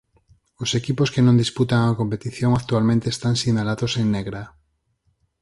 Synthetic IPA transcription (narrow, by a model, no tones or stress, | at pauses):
osekiposkenõnd̪isput̪aŋakompet̪iθjoŋak̚t̪ualmẽnt̪eːst̪aŋsinalaðoseŋneɣɾa